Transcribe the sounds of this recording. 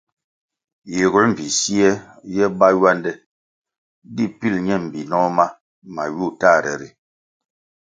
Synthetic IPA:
je˨ɣu˦m̩˨vi˨si˦ɛ˦ | jɛ˦ba˦ɥwa˦ndɛ˦ | di˦pi˦˨lɲɛ˦˨m̩˨bi˨nɔ˦ma˦ | ma˨ɥu˦˨ta˦˨ɾɛ̰˨ɾi˨

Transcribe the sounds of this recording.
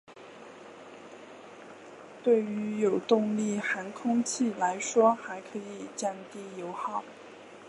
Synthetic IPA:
t̪we˥˩ɪy˧˥jo˨˩ʊt̪ʊ˥˧ŋli˥˩xa˧˥nkʰʊ˥ŋt͡ɕʰi˥˩la˧˥ɪʂwɔ˥xa˧˥ɪkʰɤ˧˥i˨˩t͡ɕjɑ˥˧ŋt̪i˥˩jo˧˥ʊxɑ˥˩ʊ

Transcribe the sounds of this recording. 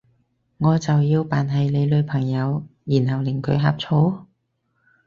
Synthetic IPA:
ŋɔː˨˧t͡sɐ˨wjiː˧wpaː˨nɦɐ˨jle˨˧jlɵ˨˧ɥpʰɐ˨˩ŋjɐ˨˧wjiː˨˩nɦɐ˨wlɪ˨˩ŋkʰɵ˨˧ɥɦa̰ː˧˥p̚t͡sʰo˨˥w

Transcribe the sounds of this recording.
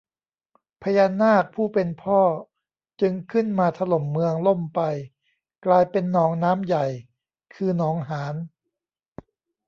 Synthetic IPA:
pʰa˧jaː˧nːaː˥˩k̚pʰuː˥˩pe˧npʰɔː˥˩ | t͡ɕɯ˧ŋkʰɯ˥˩nmaː˧t̪ʰa˧lo˨˩mːɯ˧əŋlo˥˩mpa˧j | klaː˧jpe˧nːɔː˩˦ŋnaː˦˥mja˨˩j | kʰɯː˧nɔː˩˦ŋɦaː˩˦n

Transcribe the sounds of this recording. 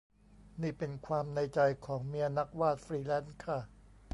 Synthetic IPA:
niː˥˩pe˧nkʰwaː˧mna˧jt͡ɕa˧jkʰɔː˩˦ŋmi˦˥ɐna˦˥k̚waː˥˩t̪̚fɾiː˧lɛː˦˥˩nkʰa˦˥˩

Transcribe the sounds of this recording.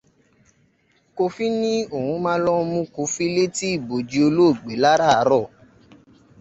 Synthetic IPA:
ko˧fi˦nĩ˦o˦˨hũ˧mãː˦lɔ˦mũ˧˦ko˧fi˦le˦ti˦i˦˨bo˨d͡ʒi˧o˧lo˦o˦˨ɡ͡be˨˦la˦ɾa˦˨a˨˧˦ɾɔ˦˨

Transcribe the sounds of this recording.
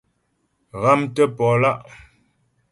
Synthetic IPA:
ɣa˦mtə˦pɔ˨la˦ʔ

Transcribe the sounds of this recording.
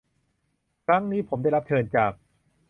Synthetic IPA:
kʰɾa˦˥ŋniː˦˥pʰo˩˦mda˥˩jɾa˦˥p̚t͡ɕʰɤː˧nt͡ɕaː˨˩k̚

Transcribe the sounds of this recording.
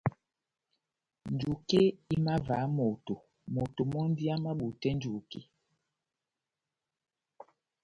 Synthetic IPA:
n˨d͡ʒu˨ke˦i˦ma˦va˨˦mo˨to˨ | mo˨to˨mɔ˦n˦di˦a˦ma˦ɓu˨tɛ˦n˦d͡ʒu˨kḛ˦

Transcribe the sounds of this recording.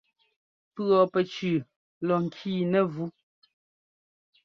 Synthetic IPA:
pɰɔ˨pɛ˨t͡ʃʉ˨ | lɔ˨ŋ̩˨kʰiː˦˨nɛ˨vu˦

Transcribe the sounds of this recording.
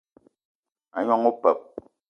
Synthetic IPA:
a̰˨ɲɔ˦ŋo˦pɛ˨p̚

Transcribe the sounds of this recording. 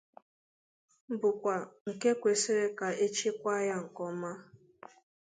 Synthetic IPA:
bʊ˨kʷa˨ŋ̩˨ke˦kʷe˨si˦ɾe˦ka˨e˦t͡ʃe˦kʷa˦ja˦ŋ̩˨kɔ˦ma˦

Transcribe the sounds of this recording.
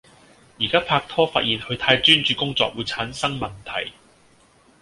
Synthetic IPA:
jiː˨˩kaː˥pʰaː˧k̚t̪ʰɔː˥faː˧t̚jiː˨˩nhɵ˨˧ɥt̪ʰaː˧jt͡ʃyː˥nt͡ʃyː˨˧kʊ˥ŋt͡sɔ̰ː˧k̚wuː˨˧jt͡sʰaː˨˥nsɐ˥ŋmɐ˨nt̪ʰɐ̰˨˩j

